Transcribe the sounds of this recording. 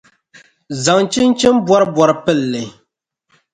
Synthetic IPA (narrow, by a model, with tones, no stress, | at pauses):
za˨ŋt͡ʃɪ˦nt͡ʃɪ˦mbwɔ˦ɾɨ˦bɔ˨ɾɨ˨pɨ˦˨lːɨ˨